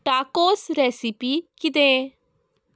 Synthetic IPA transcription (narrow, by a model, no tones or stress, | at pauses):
ʈaːkoːsɾɛːsipikɪd̪ẽ